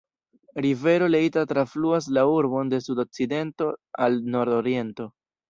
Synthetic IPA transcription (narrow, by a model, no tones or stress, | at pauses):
ɾive̞ɾo̞leitatɾafluas̬lauɾbo̞nde̞sudo̞k̚t͡side̞nto̞alno̞ɾdo̞ɾie̞nto̞